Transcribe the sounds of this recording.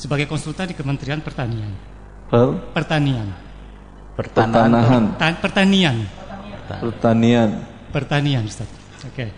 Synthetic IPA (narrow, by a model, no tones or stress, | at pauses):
səbaɡajkɔnsult̪andikəmənt̪ɾianpərt̪anian | pəlpərt̪anian | pəənanaɦant̪apərt̪anian | pərt̪anian | pərt̪anianbəst̪at̪̚ | oke